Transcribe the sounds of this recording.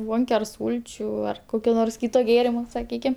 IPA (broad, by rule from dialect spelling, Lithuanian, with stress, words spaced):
ˈboːŋʲkʲɛ ɐr ˈsuːlʲt͡ʃʲuː ɐr ˈkoːkʲoː noːrs ˈkʲiːɪtoː ˈɡʲeːrʲɪmoː sɐˈkʲiːkʲɪm